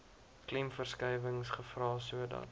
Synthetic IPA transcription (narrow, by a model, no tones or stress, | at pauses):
klɛmfərskɛjvəŋsχəfrɑːsuədɐ̰t